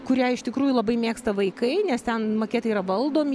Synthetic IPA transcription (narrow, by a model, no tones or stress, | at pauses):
kʊɾʲæːɪʃt̪ʲɪkɾuːjʊlˠɐbɐɪmʲeːkst̪ɐʋɐɪkɐɪnʲɛst̪ʲɛnmoːkʲeːt̪ɐiːɾɐʋɐlˠd̪oːmʲɪ